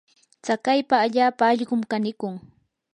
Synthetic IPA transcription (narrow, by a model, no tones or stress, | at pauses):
t͡sakajpaːʎaːpaːʎɢʊmkanɪkʊŋ